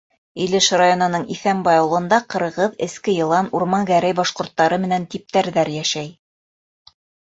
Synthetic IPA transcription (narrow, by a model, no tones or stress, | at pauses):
ilɘʃrajonɤ̆nɤɴiθæmbɑjɑ̆wlˠɤ̆nd̪ɑqɤ̆ɾʁɤðɘ̆skɘjɤ̆lˠɑnuɾmɑŋɡæɾæjbɑʃqŏɾt̪ːɑɾɤmɘ̆nænt̪ip̚t̪æɾðæɾjæʃæj